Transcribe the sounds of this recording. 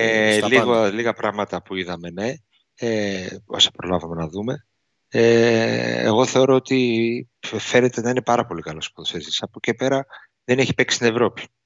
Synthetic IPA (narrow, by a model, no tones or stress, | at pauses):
eliɣoliɣɐpɾɐɣmɐt̪ɐpuiðɐme̞ne̞ | eosɐ̥pɾo̞lɐvɐmenɐðume̞ | e | ḛɣo̞θe̞o̞ɾo̞ot̪i | fe̞ne̞t̪e̞nɐine̞pɐɾɐpo̞likɐlo̞skoðosesi̥sɐpocepe̞ɾɐ | ðeneçi̥peksi̥t̪ine̞vɾo̞pi̥